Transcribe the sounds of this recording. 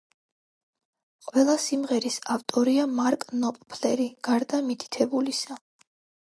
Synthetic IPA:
qʼwɛlˠasimʁɛɾisaft̪ʼɔɾiamaɾkʼnɔpʼpʰlɛɾiɡ̥aɾd̪amit̪ʰi̥t̪ʰɛbulisa

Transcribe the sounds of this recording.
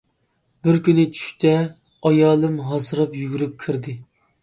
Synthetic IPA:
bɪɾkʲynɪt͡ʃʰy̥ʃʲt̪ʰɛ | ɑjɑːlˠɨmɦɑzɨɾɨpjyɡʲyɾyp̚kʲʰiɾd̪ɪ

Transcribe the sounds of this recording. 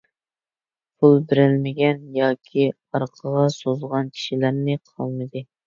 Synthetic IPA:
pʰulˠbɪɾɪlmɪɡʲɛnjɑːkʲʰi | ɑɾqʰəʁɑsozʁɑnkʲʰi̥ʃilæɾnɪqʰɑ̰lˠmɨd̪ɨ

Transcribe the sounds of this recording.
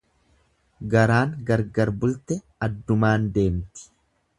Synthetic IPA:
ɡɐɾaːŋɡɐɾɡɐɾbʊlt̪ɛ | ɐd̪ːʊmaːnd̪e̞ːmt̪ɪ̥

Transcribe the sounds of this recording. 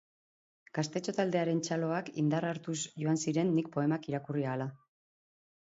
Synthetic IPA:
ɡ̥ast̪e̞t͡ʃo̞t̪ald̪e̞aɾe̞nt͡ʃalo̞akḭnd̪araɾt̪usʝo̞ansiɾe̞nːik̚po̞e̞makiɾakuriaːla

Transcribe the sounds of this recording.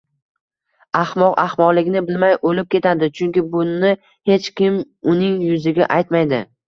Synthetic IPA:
ahmɒqahmɒʁlɪɡʲɪnɪbɪlmajʔolɪp̚kʲe̞t̪ʰad̪ɪt͡ʃʰʊŋkʲɪbʊnɪ | he̞t͡ʃkʲɪm | ʊnɪŋjʊzɪɡʲaʔajt̪majd̪ɪ

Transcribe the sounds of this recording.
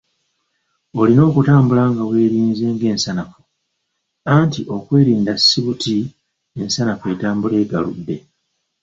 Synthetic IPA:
o̞lino̞ːkutaːmbulaːŋɡawe̞ːɾiːnze̞ːŋɡe̞ːnsanafo | antiʔo̞kwe̞ːɾiːndasːiβutʰi | e̞nsanafe̞ːtaːmbule̞ːɡa̰lṵdːe̞̰

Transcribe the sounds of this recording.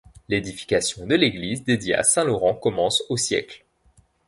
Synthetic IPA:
led̪ifi̥kasjɔ̃d̪əleɡlizd̪ed̪jia̰sɛ̃lɔʁɑ̃kɔmɑ̃sosjɛ̰kl

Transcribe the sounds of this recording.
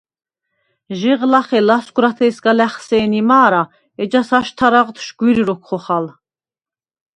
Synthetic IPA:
ʒiʁlaχɛlasɡɾat̪ʰɛːsɡalɛχsɛːnimaːɾa | ɛd͡ʒasaʃt̪ʰaɾaʁt̪ʰʃɡ̥wiɾiɾɔkʰχɔχal

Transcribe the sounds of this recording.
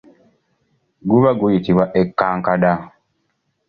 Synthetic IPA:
ɡuβaɡujitiβwaʔekːaːŋkada

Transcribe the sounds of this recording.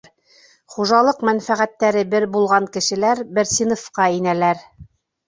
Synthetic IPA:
χuʒɑlˠɤqmænfæʁæt̪ːæɾɘbɘɾbulˠʁɑŋkɘ̆ʃɘ̆læɾbɘɾsʲinofqɑinælæɾ

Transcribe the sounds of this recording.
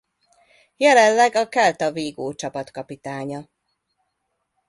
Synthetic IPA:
jɛlɛnːɛɡɒkɛlt̪ɒveːɡoːt͡ʃɒpɒt̪kɒpit̪aːɲɒ

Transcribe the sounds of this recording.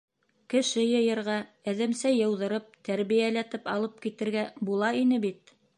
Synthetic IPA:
kɘ̆ʃɘjɤ̆jɤ̆ɾʁɑ | æðɘ̆msæjɤ̆wðɤ̆ɾɤp̚t̪æɾβijælæt̪ɘpɑlˠɤp̚kit̪ɘ̆ɾɡæbulˠɑin̪ɘbit̪̚

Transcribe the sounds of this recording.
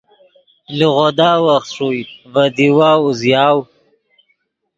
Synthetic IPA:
liɣod̪ɑːwaxt̪ʂujvad̪iwɑːuzjɑːw

